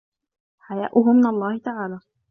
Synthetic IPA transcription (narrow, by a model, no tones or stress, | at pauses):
ħaja̰ːʔʊɦʊmːɪnalˤːɑːhɪt̪aʕaːlaː